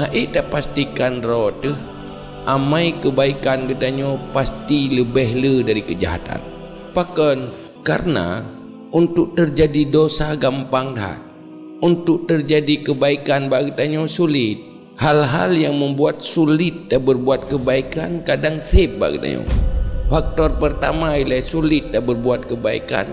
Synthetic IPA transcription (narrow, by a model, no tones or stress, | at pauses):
aʔiʔt̪apast̪ikanrɔt̪əh | ʔamaikəbaikanɡət̪aɲopast̪iləbɛɦlədaɾikəd͡ʒa̰ɦa̰t̪a̰n | pakɔn | ka̰rəna̰ | unt̪ʊk̚t̪ərd͡ʒadidosaɡampaŋdɦa̰t̪̚ | unt̪ʊk̚t̪ərd͡ʒadikəbaikanbaɡit̪aɲosulɪt̪̚ | halɦa̰ljaŋməmbuat̪̚sulɪt̪̚dabərbuat̪̚kəbaikankadaŋsɪp̚ba̰ɡḭt̪a̰ɲo̰fak̚t̪ɔrpərt̪a̰mailajsulɪt̪̚dabərbuat̪̚kəbaḭka̰n